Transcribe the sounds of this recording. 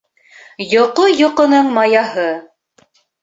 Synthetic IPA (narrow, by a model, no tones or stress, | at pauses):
jŏqojŏqɤ̆nɤɴmɑjɑɦɤ